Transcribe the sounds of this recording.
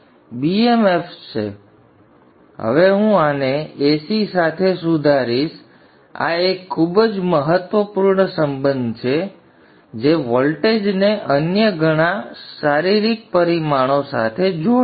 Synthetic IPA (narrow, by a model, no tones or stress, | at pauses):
biemeft͡ʃḛ | ɦə̰ʋeɦũaneesisat̪ʰesud̪ʱaɾiʃ | a̰ekʰːubd͡ʒməɦət̪ʋəpuɾɳəsəmbənd̪ʱt͡ʃʰe | d͡ʒeʋɔlʈed͡ʒneʔənjəɡʱəɽ̃aʃaɾiɾik̚pəɾimaɽ̃osa̰t̪ʰed͡ʒo